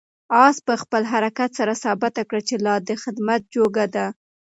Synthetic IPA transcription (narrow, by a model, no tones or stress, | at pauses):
ɑspəxpəlɦaɾakat̪saɾasɑbɪt̪akɽat͡ʃelɑd̪əxɪd̪mat̪̚d͡ʒoɡad̪a